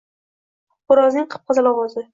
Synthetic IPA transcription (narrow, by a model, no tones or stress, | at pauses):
ʊɾɒznɪŋqʰɨ̥p̚qʰɑzalɒwɒzɪ